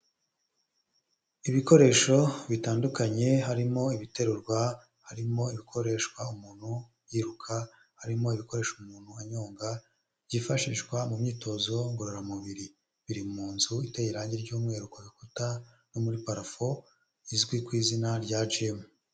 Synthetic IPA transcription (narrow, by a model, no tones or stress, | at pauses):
iβiko̞ɾe̞ːʃo̞βitaːndukaɲe̞ɦaɾimo̞iβite̞ɾuɾɡwa | haɾimo̞iβikʰo̞ɾe̞ːʃkwaumuːn̥hu | jiːɾukʰa | haɾimo̞iβiko̞ɾe̞ʃoumuːn̥huaɲoːŋɡa | ɟifaʃiʃɡwamumɲiːtʰo̞ːzo̞ŋɡoɾoɾamuβiɾi | βiɾimuːnzuitejiɾaɲɟiɾɟuːmŋe̞ːɾukaβikuta | no̞muɾipaɾafo̞ | izɡwikwiːzinaɾɟad͡ʒemu